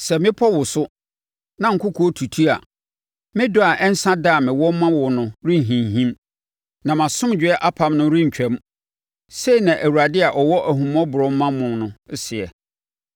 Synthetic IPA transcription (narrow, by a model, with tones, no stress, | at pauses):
sɛ˨mɪ̃˦pʰɔ˦wʊ˨sʊ˦ | nã˨ŋ̩˨˦kʰʊ˦kʰu˨˦o˦tʰu˨tʰu˦a̰˨ | mɪ̃˦dʊ˦a˨ʔɛ˦n̩˦sã˦daː˦˨mɪ̃˨wɔ˦m˦mã˦wʊ˨nʊ̃˨ɾĩ˦˨ɦĩ˨ɦĩ˦m | nã˨mã˨sʊ̃˦md͡ʑᶣɪ˨˦ɛ˦ʔa˦pʰa˨˦mnʊ̃˦ɾĩ˦ɲ̩˨t͡ɕᶣɛ˦m | se˦i˨nã˨ʔæ˨wu˨ɾa˨dɪ˦a˨ʔɔ˨wɔ˦ʔæ˨ɦũ˨m˦ɔ̃˦bʊ˨ɾɔ˦m˦mã˦mʊ̃˨nʊ̃˨˦sɪ˨ɛ˨